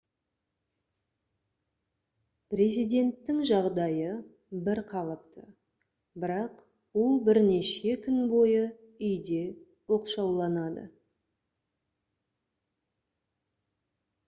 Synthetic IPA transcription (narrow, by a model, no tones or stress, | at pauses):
pre̞zijd̪ʲe̞nt̪ːɪŋʒɑʁd̪ɑjə | bɪɾqʰɑlˠəpt̪ʰə | bɪɾɑq | wolˠbɪɾne̞ʃe̞kʲʰʏnbo̞jə | ʏjd̪e̞ | wo̞qʃɑwlˠɑnɑd̪ə̰